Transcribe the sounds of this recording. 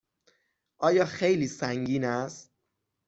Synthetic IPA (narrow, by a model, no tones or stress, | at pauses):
ʔɒːjɒːxejliːsæŋɡiːnæst̪